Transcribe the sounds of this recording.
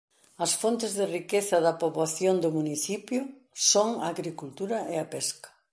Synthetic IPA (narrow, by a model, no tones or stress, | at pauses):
ɐsfont̪ɪzðɪrikeθɐðɐpoβaθjond̪ʊmuniθipjʊ | soŋaːɣɾikult̪uɾɐʔeɐpɛskɐ̥